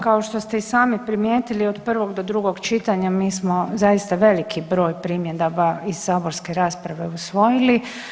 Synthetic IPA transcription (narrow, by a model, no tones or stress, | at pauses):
kaoʃt̪o̞st̪eisaːmipɾimjeːt̪iliod̪pr̩ʋo̞ɡd̪od̪ɾuɡo̞ɡt͡ʃit̪aɲamiːsmozajist̪aʋe̞likʰibɾo̞ːjpɾiːmjed̪obaiz̥saːbo̞ɾske̞ɾaːspɾaʋe̞usʋo̞jili